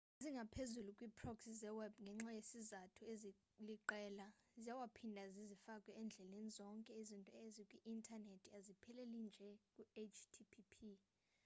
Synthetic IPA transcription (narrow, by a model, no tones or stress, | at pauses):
ziŋɡʱapʰezulukʼwipʰʼrɔksizɛwɛbŋɡʱɛŋ͡ǁajesizatʰuezi | liǃɛlazijawapʰindʱazizifakʼwɛɛnd͡ɮʱɛlenizɔŋkʼɛizintʼɔezikʼwiʔintʰʼanetʰiazipʰɛlɛlind͡ʒʱɛkʼuet͡ʃʰtʰipʰipʰi